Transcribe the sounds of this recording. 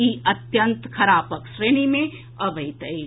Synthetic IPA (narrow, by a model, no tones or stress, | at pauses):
iɐt̪jənt̪kʰɐɾaːpəkʃɾeːñimẽ | ɐbʱɐit̪ɐi